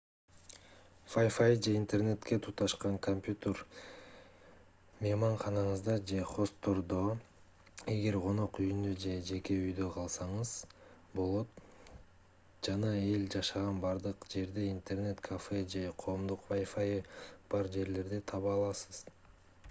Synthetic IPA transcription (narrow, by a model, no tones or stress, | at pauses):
fajfajd͡ʒe̞int̪e̞rne̞t̪ke̞t̪ʰut̪ɑʃqɑŋkʰompʲjut̪eɾ | memɑɴχɑnɑɴɯzd̪ɑd͡ʒe̞χo̞st̪ːo̞ɾd̪o̞ | e̞ɡe̞ɾqʰo̞no̞qyjynd̪ød͡ʒe̞d͡ʒe̞ke̞yjd̪øqʰɑlˠsɑɴɯz̥ | bo̞lˠo̞t̪ | d͡ʒɑnɑe̞ld͡ʒɑʃɑʁɑnbɑɾd̪ɯqd͡ʒe̞ɾd̪eint̪e̞rne̞t̪kʰafed͡ʒe̞qʰo̞ːmd̪uqvajfajb̥ɑɾd͡ʒe̞ɾle̞ɾd̪et̪ʰɑβɑlˠɑsɯ̥z̥